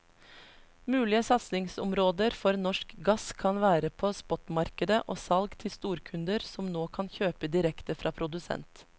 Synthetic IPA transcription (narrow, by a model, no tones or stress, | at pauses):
mʉːlɪəsɑt̪snɪŋsʊmɾoːd̪əɾfɔɾnɔʂkɡɑskʰɑnʋæːɾəpʰɔspɔt̪mɑɾkəd̪əʔoːsɑlɡt̪ʰɪst̪uːɾkʰʉnd̪əɾsɔmnoːkʰɑnçøːpəd̪ɪɾɛkt̪əfɾɑːpʰɾʊd̪ʉsɛ̰nt̪